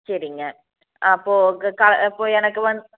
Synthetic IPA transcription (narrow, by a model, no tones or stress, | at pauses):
sɐɾiŋɡɐ | ɐpːoːkɐɭipːoːɛnɐkːɯʋɐn